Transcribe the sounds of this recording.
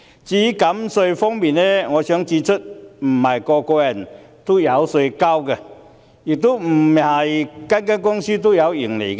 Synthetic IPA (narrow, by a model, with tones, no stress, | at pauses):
t͡ɕiː˧˦ka˨˦mso˧fɔ˥ŋmi˨˩nnɛ˦ŋɔ˨˧sœ˨˦ŋt͡si˧t͡sʰʊ˥t̚m̩˨˩hɐ˨˩jkɔ˧kʷɛ˧˩n | t̪o˦˥ja˨˦wsə˧ka˥wɡɛ˧ | ji˨˩k̚t̪o˦˥m̩˨˩ma˨˩jka˦˥nka˥nkʊ˥ŋsi˦˥t̪̬o˥ja˨˧˦wi˨˩ŋle˨˩ɡ